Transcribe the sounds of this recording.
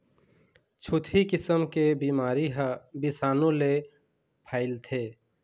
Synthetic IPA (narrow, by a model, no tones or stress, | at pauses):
t͡ʃʰut̪ʰikɪsəmkebiːmaːɾiɦbisaːnõle | pʰaːɪlt̪ʰe